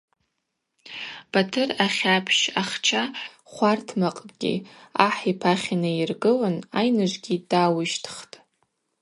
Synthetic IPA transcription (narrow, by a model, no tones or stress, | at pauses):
b̥atʰɨraχʲapʰʃaχt͡ʃʰa | χʷartʰmaqʼɡʲḭaħipʰaχʲinairɡɨlanajnɨʒʷɡʲidaːwɪʃtʰχtʼ